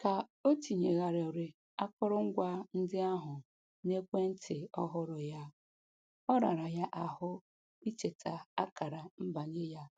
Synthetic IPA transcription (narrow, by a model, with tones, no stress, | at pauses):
ka˨o˦ti˨ɲe˨ɣa˨ɾe˨ɾe˨ | a˦kʊ˦ɾʊ˦ŋ̩˦ɡʷa˦n̩˦dɪ˦a˦ɦʊ˨ | ne˦kʷe˦n̩˦tʰɪ˨ɔ˦ɦʊ˦ɾʊ˨ja˦ | ɔ˦ɾa̰˨ɾa˨ja˦ʔa˨hʊ˦ | i˦t͡ʃe˨tʰa˨a˦ka˨ɾa˨m̩˦ba˨ɲe˦ja˦